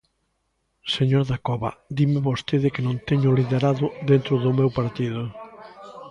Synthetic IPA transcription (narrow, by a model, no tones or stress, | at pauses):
seɲoɾðakɔβɐ̰d̪imɪβost̪eðɪkenõnt̪eɲʊliðeɾaðʊðent̪ɾʊðʊmewpaɾt̪iðʊ